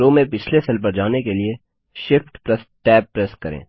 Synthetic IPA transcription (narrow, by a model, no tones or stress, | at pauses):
oːmẽpɪt͡ʃʰlesɐlp̬əɾd͡ʒaːnekelie | ʃɪfʈpɾɐsʈɛːb̚pːɾɛskɐɾḛ̃ː